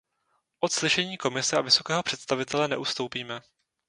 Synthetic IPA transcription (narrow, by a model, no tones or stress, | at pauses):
ʔot̪slɪʃɛɲiːko̞mɪsɛavɪso̞kɛːɦo̞pr̝̥ɛt̪st̪avɪt̪ɛlɛnɛ̰ʔust̪o̞wpiːmɛ